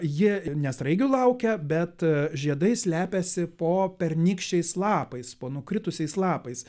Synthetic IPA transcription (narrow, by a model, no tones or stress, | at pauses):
jɪnʲɛsɾɐɪɡʲulˠɐʊkʲɛbʲɛt̪ʒʲiɛd̪ɐɪsʲlʲæːpʲɛsʲɪpoːpʲɛɾʲnʲɪkʃʲt͡ʃʲɛɪslˠɑːpɐɪspoːnʊkɾʲɪt̪ʊsʲɛɪslˠɑːpɐɪs